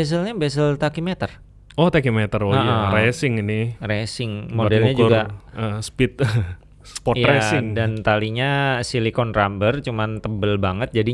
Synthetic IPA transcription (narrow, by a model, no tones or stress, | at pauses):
bɛs̬əlɲabɛs̬əlt̪akimet̪ər | ɔht̪akimɛt̪əroaʔaɾesɪŋinɪresɪŋmodɛlɲad͡ʒuɡaəspɪt̪̚ | spɔjaɾesɪŋdant̪aliɲasilikɔnrambərt͡ʃumant̪əbəlbaŋət̪̚d͡ʒadi